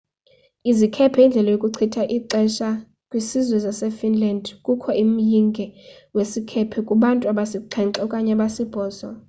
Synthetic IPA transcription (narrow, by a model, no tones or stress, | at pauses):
izikʰɛpʰɛind͡ɮʱɛlajokʼuǀʰitʰaʔiǀɛʃa | kʼwisizwɛzasɛfinlandkʼukʰɔim̩jiŋɡʱɛ | wesikʰɛpʰɛkʼuɓantʼuaɓasiǃʰɛŋǀɔkʼaɲaɓasib̥ʱɔːsa